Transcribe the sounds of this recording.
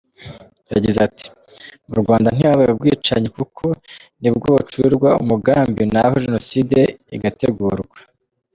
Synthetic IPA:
ja̰ɟizati̥ | muɾɡwaːndan̥iaβajubɡiːt͡ʃa̰ɲikukʰonibɡoːβut͡ʃuiɾɡwaṵmuɡaːmbijonahoʒenoside̞iɡate̞ɡuːɾɡwa

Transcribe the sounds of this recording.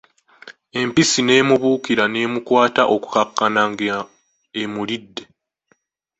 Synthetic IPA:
e̞mpisine̞ːmuβuːkiɾane̞ːmukwaːtaʔo̞ku̥kakːanaŋɡ | emulidːe̞

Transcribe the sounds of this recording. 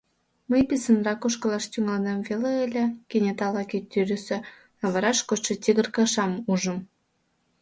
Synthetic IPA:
məjpisənrɑkoʃkəlɑʃt̪ʲyŋɑlnemveleelʲekenʲet̪ɑlɑkit̪ːyɾyse | ɑβɑɾɑʃkot͡ɕʃĕt̪ʲiɣərkɑʃɑmuʒəm

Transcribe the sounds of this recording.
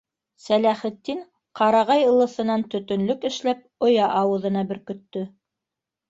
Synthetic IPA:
sælæχɘ̆t̪ːin | qɑɾɑʁɑjɤ̆lˠɤ̆θɤ̆nɑnt̪ɵ̆t̪ɵ̆nlɵkɘ̆ʃlæp̚ŏjɑʔɑwɤ̆ðɤ̆nɑbɘ̆ɾkɵ̆t̪ːɵ

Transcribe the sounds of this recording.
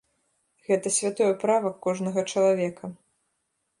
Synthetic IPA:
ɣɛt̪ɐsʲvʲat̪ɔjɛpɾavɐkːɔʐnɐɣɐt͡ʂɐlˠavʲɛkʰɐ

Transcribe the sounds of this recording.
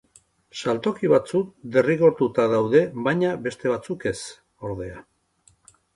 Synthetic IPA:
salt̪o̞kiβat͡suk̚d̪e̞riɣo̞ɾt̪ut̪aðawðe̞βajɲabe̞st̪e̞βat͡suke̞s | o̞ɾðe̞a

